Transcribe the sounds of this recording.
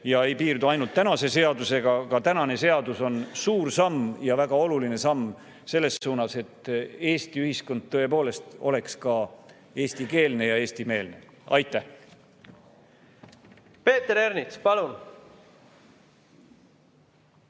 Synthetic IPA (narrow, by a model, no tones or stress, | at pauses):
jɑe̞jpiːrd̪uɑjnult̪ːænɑse̞se̞ɑd̪use̞ɡ̥ɑkɑt̪ænɑne̞se̞ɑd̪uso̞nsuːrsɑmːjɑvæɡ̥ɑo̞luline̞sɑmː | se̞lːe̞sːuːnɑse̞t̪ːe̞ːst̪iyhisko̞nd̪̥̚t̪ːɤe̞po̞ːle̞st̪o̞̰le̞kskɑ | e̞ːst̪ike̞ːlne̞jɑe̞ːst̪ime̞ːlne̞̰ | ɑjt̪ːˑæh | pe̞ːt̪eɾeɾnit̪spɑlun